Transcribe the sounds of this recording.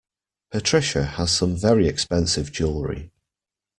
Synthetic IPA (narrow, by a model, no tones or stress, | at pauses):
pʰətʰɹ̥ɪʃəəz̥sə̃ɱvɛɹiɛkspɛ̃nsɪvd͡ʒʊlˠɹḭ